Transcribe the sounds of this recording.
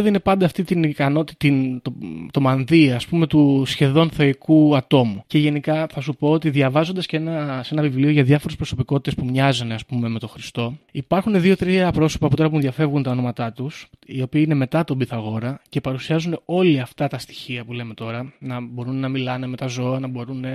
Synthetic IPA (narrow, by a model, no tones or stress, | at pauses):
ðine̞pɐnd̪ɐːft̪it̪inikɐno̞t̪iint̪ot̪o̞mɐnðiɐspume̞t̪usçe̞ðo̞nθo̞ikuɐt̪o̞muce̞ʝe̞nikɐθɐsupo̞ot̪iðʝɐvɐzo̞nd̪ɐsceenɐsenɐvivlio̞ʝɐðjɐfo̞ɾespɾo̞so̞piko̞t̪i̥t̪espumɲɐzuneɐspume̞me̞t̪o̞xɾist̪o̞ipɐɾxuneðio̞t̪ɾiɐpɾo̞sopɐput̪o̞ɾɐp̬uenðʝɐfe̞vɣunt̪ɐono̞mɐt̪ɐt̪usio̞piːineme̞t̪ɐt̪obiθɐɣo̞ɾɐce̞pɐɾusiɐzuneo̞liɐft̪ɐt̪ɐst̪i̥çiɐpule̞me̞t̪o̞ɾɐnɐbo̞ɾunːɐmilɐne̞me̞t̪ɐzo̞ɐnɐbo̞ɾune̞